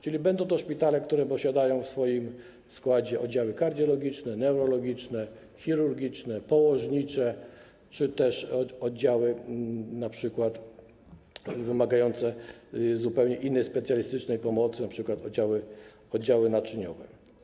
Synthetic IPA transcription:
t͡ʂɘlʲibɛnd̪ɔ̃w̃t̪ɔʂpʲit̪alɛkt̪uɾɛpɔɕad̪ajɔ̃w̃fsfɔjim | skwad͡ʑɛʔɔ̰d̪d͡ʑawɘkaɾd̪ʲjɔlɔɡʲit͡ʂnɛnɛwɾɔlɔɡʲit͡ʂnɛ | xʲiɾuɾɡʲit͡ʂnɛpɔwɔʐɲit͡ʂɛ | t͡ʂɘt̪ɛʂɔd̪̚d͡ʑawɘnapʂɘkwat̪ | vɘmaɡajɔnt̪sɛzupɛwɲɛʔinːɛjspɛt̪sʲjalʲist̪ɘt͡ʂnɛjpɔmɔt̪sɘnapʂɘkwat̪ɔd͡ʑawɘ | ɔd̪d͡ʑawɘnat͡ʂɘɲɔ̰vɛ

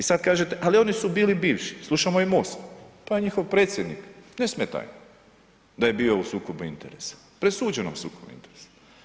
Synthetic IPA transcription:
isad̪̚kaːʒet̪e̞ʔalio̞nisubiːlibiːʋʃi̥slˠuʃamoimostpajeɲixo̞ʋpɾeːt̪sʲjed̪niknesmet̪a̰j | d̪aje̞biːo̞usuːkobuint̪ḛɾḛsḁ | pɾesuːd͡ʑenomusuːkobṵḭnt̪eɾesḁ

